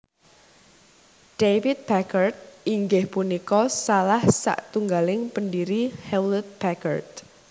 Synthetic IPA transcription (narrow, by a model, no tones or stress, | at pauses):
ɖ̥efit̪̚bakərt̪̚ʔiŋɡɪhpunikɔsalahsa̰ʔt̪uŋɡalɪŋpəndiɾihɛwlt̪̚b̥ɛkə̰rt̪̚